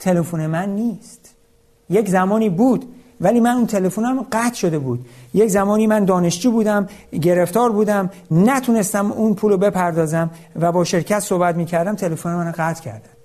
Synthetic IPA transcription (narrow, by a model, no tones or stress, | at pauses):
t̪ʰe̞lefone̞mænːiːst̪ | je̞czæmɒːniːbuːd̪ | væliːmænunt̪ʰe̞le̞funæmɢæt̪ʰʃo̞d̪e̞buːd̪je̞czæmɒːniːmænd̪ɒːne̞ʃd͡ʒiːbuːd̪æmɟe̞ɾe̞ft̪ɒːɾbuːd̪æmnæt̪ʰune̞st̪æmuːnpʰuːlobe̞pʰæɾd̪ɒːzæm | væbɒːʃe̞ɾcʰæt̪sohbæt̪miːcʰæɾd̪æmt̪ʰe̞lefonemænoɢæt̪ʰcʰæ̰ɾd̪æn̥